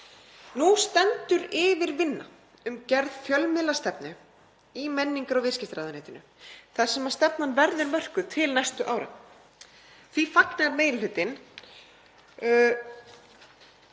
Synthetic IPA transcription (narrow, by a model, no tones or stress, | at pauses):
nust̪ɛnt̪ʏɾɪːvɪɾvɪnːa̰ | ʏmcɛɾðfjœlmɪlast̪ɛpnɪ | imɛnːiŋkaɾɔwvɪɾ̥scɪst̪ɾaːðaneːht̪ɪnʏ̰ | θḁsɛmːast̪ɛp̚nanvɛɾðʏɾmœr̥kʏt̪ʰɪlnajst̪ʏʔaːwɾa̰ | θvifaknaɾmeːjllɪt̪ɪn